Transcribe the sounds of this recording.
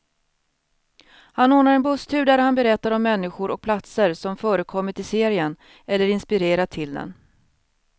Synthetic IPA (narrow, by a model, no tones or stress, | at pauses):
hanoːnaɾɛnbɵst̪ʰʉ̟ːd̪æɾhanbɛɾɛt̪ːaɾɔmːɛnːɪɧʊɾɔk̚pʰlat̪səɾsɔmfœːɾəkʰɔmːəʈ̪ʰɪseːɾɪən | ɛlːəɾɪnspɪɾeːɾaʈ̪ʰɪld̪ɛ̰n